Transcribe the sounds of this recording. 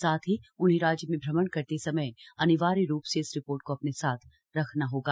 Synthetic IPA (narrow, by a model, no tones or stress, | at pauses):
saːt̪ʰɦiʊnɦeɾaːd͡ʒjəmẽbʱɾɐmənkɐɾt̪esɐməjɐnɪʋaːɾeɾuːpseɪsɾɪpoːɾʈ̚koɐpnesaːt̪ʰ | ɾɐkʰnaɦoːɡaː